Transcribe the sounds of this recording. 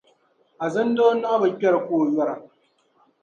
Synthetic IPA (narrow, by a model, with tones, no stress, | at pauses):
ʔa˨zɐ˦n˦do˦na˦bɐ˨kʲɐ˦ɾa˨kʷoː˦˨jɐ˦ɾa˨